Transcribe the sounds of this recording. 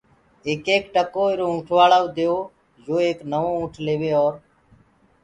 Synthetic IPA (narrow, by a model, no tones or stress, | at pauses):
eːkeːkʈəkoːɪɾoːũːʈʰʋaːɭaːʋd̪eːoː | d͡ʒoːeːknəʋoːũːʈʰleːʋeːɔːɾ